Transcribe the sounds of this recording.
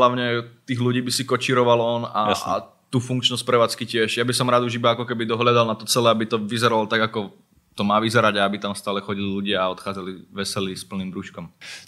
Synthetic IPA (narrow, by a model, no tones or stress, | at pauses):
laʊɲɛt̪iːɣluɟiːbisikɔt͡ʃiːɾɔʋalɔna̰jaa̰ | t̪uːfuŋkt͡ʃnɔsc̚pɾɛʋaːt͡skicɪɛʒjabisɔmɾaːd̪uʒibaakɔkɛbid̪ɔɦlad̪alˠnat̪ɔt͡sɛlɛːabit̪ɔʋizɛɾalɔt̪aɡakɔ | t̪ɔmaːʋizɛɾaɟaabit̪amst̪aːlɛxɔɟililuɟɪaaɔt̪xaːd͡zaliʋɛsɛlispl̩niːmbɾuːʃkɔm